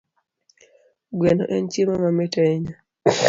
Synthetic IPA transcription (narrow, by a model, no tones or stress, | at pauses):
ɡwɛno̰ʔɛnt͡ʃjemamametaɪɲa